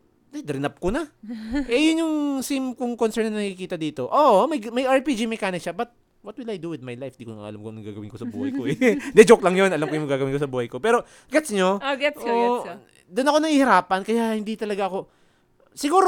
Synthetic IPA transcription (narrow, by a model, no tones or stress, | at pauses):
d̪ɛd̪ɾɪnɐp̚konɐʔɛjʊnjʊŋsimkʊŋkonsɛɾnɐnnɐkɪkiːt̪ɐd̪iːt̪o̞ʔoːʔomɐjmɐjɐɹpid͡ʒimɛkaːnɪkʃabɐt̪̚ | wɐt̪̚wɪlajd̪uwɪd̪̚majlajfd̪iːkon̰ʔɐ̰lamkonɐɡaːɡɐwɪnkosɐbṵːhɐjkoʔɛd̪ɛd͡ʒoklɐŋjonɐlamkojʊŋmɐɡaːɡɐwɪnkosɐbuːhɐjko̞pɛːɾo̞ | ɡɛt̪sɲooɡɛto | d̪ʊnɐko̞nɐŋhiːhɪɾaːpɐnkɐjahɪnd̪it̪ɐlɐɡaʔɐko̞ | sɪɡuːɾ